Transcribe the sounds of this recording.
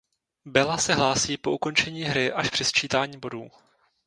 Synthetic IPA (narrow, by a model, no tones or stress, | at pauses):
bɛlasɛɦlaːsiːpo̞uko̞nt͡ʃɛɲiːɦɾɪʔaʃpr̥ɛst͡ʃiːt̪aːɲiːbo̞duː